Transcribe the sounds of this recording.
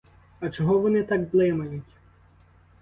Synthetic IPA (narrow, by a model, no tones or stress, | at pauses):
ɐt͡ʃɔɦɔʋɔnɪt̪ɑkblˠɪmɐjʊtʲ